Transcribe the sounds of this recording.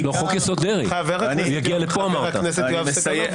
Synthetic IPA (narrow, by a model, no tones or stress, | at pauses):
loχokjasod̪eʁiaaveʁaujaɡialepoamaʁat̪anesejoavesaje